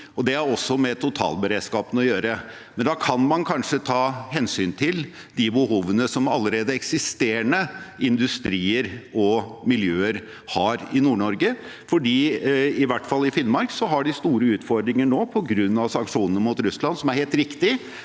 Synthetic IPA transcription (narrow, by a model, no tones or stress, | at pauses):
ɔd̪ɛæɾɔsːɔmɛt̪ʰʊt̪ʰɑ̰ːlbəɾeːd̪skɑːpənəɔjøːɾə | mɛnd̪ɑkʰɑnmɑnkʰɑnʂət̪ʰɑːɦɛnsyːnt̪ʰɪl | d̪ɪbəhuːʋənəsɔmɑlːəɾeːd̪əɛksɪst̪eːɳəɪnd̪ʉst̪ɾiːəɾɔmɪljøːəɾ | hɑɾɪnuːɳɔɾɡə | fɔɖiːɪʋæʈfɑlːɪfɪnmɑɾksɔɦɑɖɪst̪uːɾəʉːt̪fɔɾd̪ɾɪŋəɳoːpʰɔɡɾʉnːɑʋsɑŋkʂuːnənəmʊt̪ɾʉslɑnsɔmæɾheːlt̪ɾɪkt̪ɪ